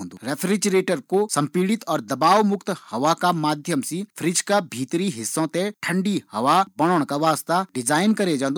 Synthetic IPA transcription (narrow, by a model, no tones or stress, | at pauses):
õnd̪oɾɛːpʰɾɪd͡ʒɾeːʈəɾkosɐ̃mpiːɽɪt̪ɔːɾd̪ɐbaːʋmʊkt̪hɐʋakamaːd̪ʱjəmsipʰɾɪd͡ʒkabʱiːt̪ɾiɦɪsːõt̪ẽʈʰə̃ɳɖihɐʋabɐɽ̃oɽ̃kaʋaːst̪aɖɪd͡ʒaːɪnkɐɾed͡ʒãːnd̪